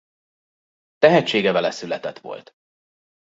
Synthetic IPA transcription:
t̪ɛɦɛt͡ʃːeːɡɛvɛlɛsylɛt̪ɛt̪ʋo̞̰lt̪

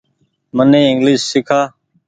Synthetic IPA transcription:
mənẽːɪŋɡlɪʃsɪkʰaː

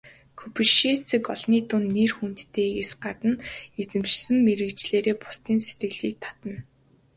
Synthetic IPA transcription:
kʰɵpɘ̆ʃiːt͡sʰɘ̆kɔɮniːt̪ʊnːerxunt̪ːeːkesɢat̪ə̆net͡sɘ̆mt͡ɕsɘ̆mːeɾɘ̆kt͡ɕɮeːɾeːpʊ̥st̪iːnse̥t̪ɡɘ̆ɣɮiːk̚t̪ʰḁt̪ə̆n

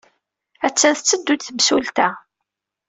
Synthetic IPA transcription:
æt͡sːæθət͡sːəd̪ːud̪θəmsult̪æ

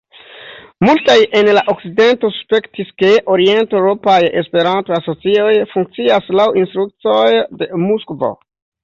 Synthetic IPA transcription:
multajʔe̞nlaʔo̞k̚t͡side̞nto̞su̥spe̞ktiske̞ʔo̞ɾie̞ntewɾo̞paje̞spe̞ɾantoaso̞t͡sio̞jfuŋk̚t͡siaslawinst̪ɾuk̚t͡so̞jde̞muskvo̞̰

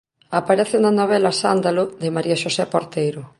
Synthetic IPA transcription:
apaɾɛθɪnanoβ̞ɛlasand̪aloðemaɾiaʃosɛpoɾt̪ejɾʊ

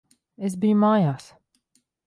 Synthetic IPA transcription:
es̬bijumaːjaːs

